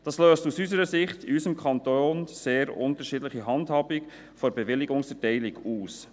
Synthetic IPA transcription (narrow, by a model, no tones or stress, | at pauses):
d̥ɑːsløːstusysəɾəsɪχtɪysəmkʰɑntoːnseːɾʊ̰ntəʃiːdləχiɦɑndhɑːbik | fɔɾbɛʋɪlɪɡʊŋsfɛtɛɪlɪɡuːs